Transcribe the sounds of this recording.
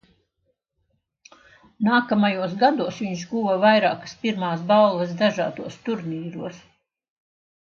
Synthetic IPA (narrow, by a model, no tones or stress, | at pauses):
naːkamajuɔs̬ɡad̪uɔsviɲʃɡuːvɐvajɾaːkə̥spiɾmaːs̬ballˠɐsd̪aʒa̰ːd̪uɔst̪uɾniːɾuɔs